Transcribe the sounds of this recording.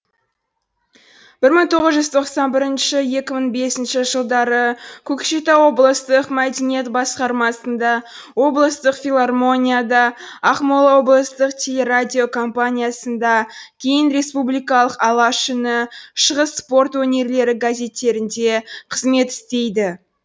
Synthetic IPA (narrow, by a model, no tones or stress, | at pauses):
b̥ɪɾməɴt̪ʰo̞ʁəzʒʏzt̪ʰo̞qsɑnbɪɾɪnʃɪje̞kʲɪməɴbe̞sɪnʃɪʒəlˠd̪ɑɾəkʲʰɵkʃit̪ɑwo̞blˠəst̪əqmæd̪enije̞t̪bɑsqɑɾmɑsənd̪ɑ | wo̞blˠəst̪əqfʲilˠarmo̞nʲijad̪ɑɑχmo̞lˠɑwo̞blˠəst̪əqt̪ʲʰe̞le̞ɾadʲio̞kʰo̞mpanʲijasənd̪ɑkʲʰe̞jɪnɾe̞spublijkɑlˠəqɑlˠɑʃʏnəʃəʁəsːpo̞rt̪wɵne̞ɾle̞ɾɪɡazʲe̞t̪ːe̞ɾɪnd̪e̞qʰəzme̞t̪ɪ̥st̪e̞jd̪ɪ